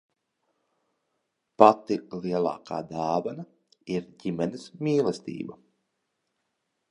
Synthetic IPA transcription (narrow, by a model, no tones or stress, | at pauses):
pat̪ilˠiɛlˠa̰ːkʰa̰ːd̪aːvana | iɾɟimɛnismʲiːlˠɛst̪ḭːba